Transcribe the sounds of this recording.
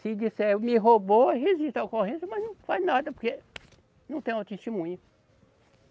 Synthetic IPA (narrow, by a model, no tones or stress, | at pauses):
sid͡ʒisɛmiɦoboɦezit̪akoɦẽsɐmɐznɐ̃w̃faznad̪ɐpoɾke | nɐ̃t̪ẽj̃ãt̪est̪emũɲʊ